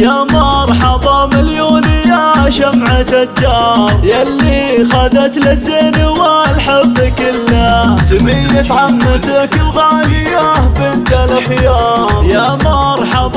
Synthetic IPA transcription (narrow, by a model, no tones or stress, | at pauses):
jamɑɾˤħɑbˤɑmɪljuːnɪjːaʃamʕat̪ad̪ːɑɾˤjalːixaðat̪lɪsiːnwalħabːkɪlːaːsamiːnat̪ʕamːat̪akðˤɑjɪjːahbɪnt̪alxjaːjamɑɾˤħɑbˤ